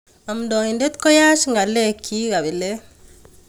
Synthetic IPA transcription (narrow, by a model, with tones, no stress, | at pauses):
a˨mdo˨i˨nde˦t̪ko˦ja˦ʃiŋɡa˨le˦kʰi˦ɡa˨bi˨le˦